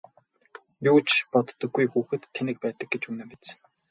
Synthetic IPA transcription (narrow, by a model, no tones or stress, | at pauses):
juːt͡ɕpɔt̪ːɞ̆ɡːujxuːxɘ̆t̪ʰːenɘ̆k̚pæːt̪ə̆k̚ɡet͡ɕuːnɘ̆mpet̪sɘ̥̆ŋ